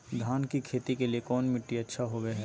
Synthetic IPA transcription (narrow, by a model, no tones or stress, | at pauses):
d̪ʱaːnkikʰeːt̪ikelijekɔːnmɪʈːiɐtːʃʰaɦoʋeɦɛ̃ː